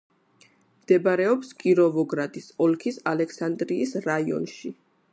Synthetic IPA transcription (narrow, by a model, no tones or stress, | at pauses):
md̪̥ɛbɾɛɔpskʼiɾɔvɔɡɾat̪ʼisɔlkʰisalɛksand̪ɾiːsɾaiɔ̰nʃi